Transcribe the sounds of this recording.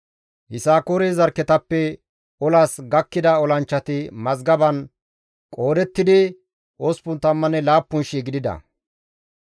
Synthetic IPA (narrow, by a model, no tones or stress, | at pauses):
hɪsaːkoːɾezɐɾkːɛt̪ɐpːɛ | ɔlaːsɡɐkːɪd̪ɐɔlɐnt͡ʃːɐt̪ɪmɐzɡɐbɐn | kʼo̞ːd̪ɛt̪ːɪd̪ɪ | ʔospʊnt̪ɐmːɐnɛlaːpːʊnʃiːɡɪd̪ɪd̪ɐ̰